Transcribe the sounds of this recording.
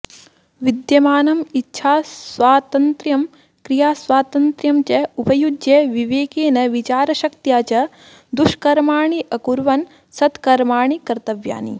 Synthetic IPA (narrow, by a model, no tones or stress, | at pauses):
ʋid̪jɐmaːnɐmitːʃʰaːsʋaːt̪ɐnt̪ɾjɐm | kɾijaːsʋaːt̪ɐnt̪ɾjɐmt͡ʃɐupɐjud͡ʒjeʋiʋeːkeːnɐʋit͡ʃaːɾɐʃɐkt̪jaːt͡ʃɐ | d̪uʃkɐɾmaːɳiʔɐkuɾʋɐn | sɐt̪kɐɾmaːɳikɐɾt̪ɐʋja̰ːnḭ